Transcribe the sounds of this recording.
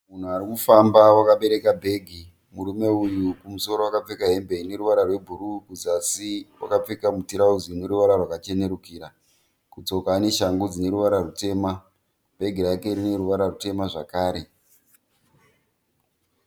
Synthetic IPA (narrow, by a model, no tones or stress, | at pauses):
mun̤uarikufambawakaɓe̞ɾe̞kabʱe̞ɡʱi | muɾume̞ujukumuso̞ɾo̞wakap͡fe̞kaɦe̞mbe̞ine̞ɾuʋaɾarwe̞bʱuɾukud͡zasiwa̰kap͡fekamutiɾauzineɾuʋaɾarwakat͡ʃe̞ne̞ɾukiɾa | kut͡so̞kaːne̞ʃaŋɡud͡zine̞ɾuʋaɾarute̞ːma | b̥ʱe̞ɡʱirake̞ɾine̞ɾuʋaɾarute̞maʐakaːɾe̞